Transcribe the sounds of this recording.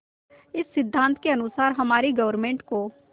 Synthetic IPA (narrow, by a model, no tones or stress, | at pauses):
ɪsːɪd̪ʱːãːnt̪keɐnʊsaːɾɦɐmaːɾiɡɐʋəɾmẽːɳʈkoː